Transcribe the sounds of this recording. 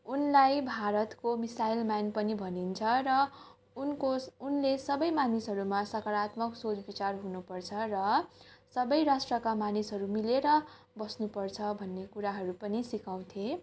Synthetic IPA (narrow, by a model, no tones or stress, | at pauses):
unlajbʱaɾʌt̪komisajlmjanpʌnibʱʌnint͡sʰʌɾʌ | unkounlesʌbʌjmanisɦʌɾumasʌkʌɾat̪mʌksot͡sbit͡sarɦunupʌrt͡sʰʌrʌsʌbʌjrasʈrʌkamanisɦʌɾumileɾʌ | bʌsnupʌrt͡sʰʌbʱʌnːekuɾaɦʌɾupʌnisikaw̃t̪ʰe